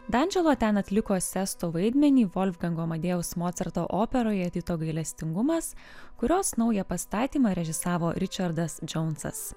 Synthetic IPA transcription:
d̪ɐnʲd͡ʒʲɛlˠoːt̪ʲɛnɐt̪ʲlʲɪkoːsʲɛst̪oːʋɐɪd̪ʲmʲɛnʲiːʋɔlʲfɡɐŋɡoːmɐd̪ʲeːʊsmoːt̪sʲɐɾt̪oːʔoːpʲɛɾoːjɛɐt̪ʲiːt̪oːɡɐɪlʲɛsʲt̪ʲɪŋɡʊmɐskʊɾʲoːsnɒʊjɛpɐst̪ɑːt̪ʲiːmɑːɾʲɛʒʲɪsɑːʋoːɾʲɪt͡ʃʲɐɾd̪ɐsd͡ʒɔʊnsɐ̰s

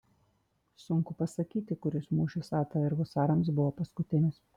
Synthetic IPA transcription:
sʊŋˑkʊpɐsɐkʲiːt̪ʲɪkʊɾʲɪsmuːʃʲɪsɑːt̪ɐɪɾɡʊsɑːɾɐms̬bʊʋoːpɐskʊt̪ʲɪnʲɪs

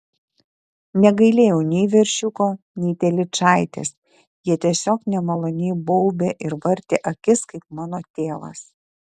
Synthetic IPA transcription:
nʲɛɡɐɪlʲeːjoːnʲɛɪʋʲɛɾʲʃʲʊkoː | nʲɛɪt̪ʲɛlʲɪt͡ʃɑˑɪt̪ʲḛs | jiɛt̪ʲiɛsʲoːknʲɛmɐlˠoːnʲiːbɔʊbʲeːʔɪɾʋɐɾʲt̪ʲeːʔɐkʲɪskɐɪpmɑːnoːt̪ʲeːʋɐ̰s

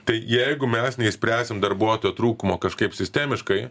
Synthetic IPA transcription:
t̪ɐɪjɛɪɡʊmʲɛsnʲɛisʲpʲɾʲæːsʲɪmd̪ɐrbuɔt̪oːjot̪ɾuːkʊmoːkɐʃkɐɪpsʲɪsʲt̪ʲæːmʲɪʃkɐɪ

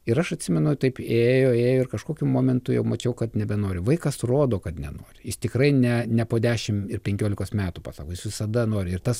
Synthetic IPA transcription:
ɪɾɐʃɐt̪ʲsʲɪmʲɛnʊt̪ɐɪpeːjoːeːjoːɪrkɐʃkoːkʲumoːmʲɛnt̪ʊjɛʊmɐt͡ʃʲɛʊkɐt̪nʲɛbʲɛnoːɾʲɪʋɐɪkɐsroːd̪oːkɐt̪nʲɛ̰noːɾʲɪjɪst̪ʲɪkɾɐɪnʲɛnʲɛpoːd̪ʲæːʃʲɪmɪrpʲɛŋʲkʲoːlʲɪkoːsmʲæːt̪upɑ̰ːsɑːkoːjɪsʋʲɪsɐd̪ɐnoːɾʲɪɪrt̪ɐs

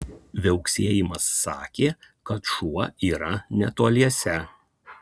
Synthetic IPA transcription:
ʋʲɛʊksʲeːjɪmɐsːɑːkʲeː | kɐt̪ʃuɔiːɾɐnʲɛt̪uɔlʲiɛsʲɛ

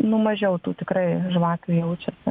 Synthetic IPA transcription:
nʊmɐʒʲɛʊt̪uːt̪ʲɪkrɐɪʒʋɑːkʲujɛʊt͡ʃʲɛsʲɪ

